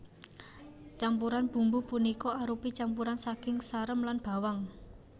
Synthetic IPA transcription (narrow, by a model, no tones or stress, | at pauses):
t͡ʃampuɾanb̥ṳmbupunikɔaɾupit͡ʃampuɾansakɪŋsaɾəmlanb̥a̤waŋ